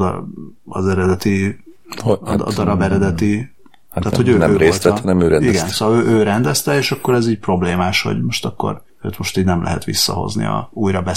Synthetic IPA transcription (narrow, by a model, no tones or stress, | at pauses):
ɒzɛɾɛd̪ɛt̪i | d̪ɒɾɒbɛɾɛd̪ɛt̪i | aːho̞ɟøøːnɛøːɾeoːlt̪ɛnɛmøːɾɛiɡɛnnssoːhɒøːʔøːɾɛnd̪ɛst̪ɛeːʃɒkːo̞ɾɛziːɟ̚pro̞bleːmaːʃho̞̰ɟmo̞ʃt̪ɒkːo̞̰ɾ | øːt̪mo̞ʃt̪iːɟnɛmlʔɛ̰ɦɛ̰t̪ʋḭsːɒ̰ɦo̞̰znḭɒ̰uːjɾɒbɛ